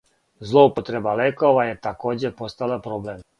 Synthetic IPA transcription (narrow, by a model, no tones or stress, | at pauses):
zlˠoupot̪ɾebalekoʋajet̪ako̞ːd͡ʑepo̞st̪alapɾoblem